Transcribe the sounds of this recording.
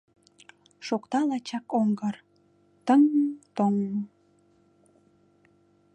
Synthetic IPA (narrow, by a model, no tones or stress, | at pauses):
ʃokt̪ɑlɑt͡ɕɑkoŋɡər | t̪əŋt̪oŋ